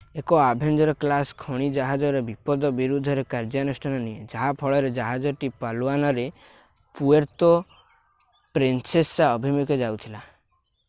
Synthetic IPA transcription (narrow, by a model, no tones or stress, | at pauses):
ekɔabʱend͡ʒɔɾɔklaskʰɔɽ̃id͡ʒaɦad͡ʒɔɾebipɔd̪ɔbiɾud̪ʱɔɾekaɾd͡ʒanusʈʰanɔnied͡ʒaɦapʰɔɭɔɾed͡ʒaɦad͡ʒɔʈipaluanɔɾe | pueɾt̪ɔ | pɾensesaɔbʱimuked͡ʒawt̪ʰila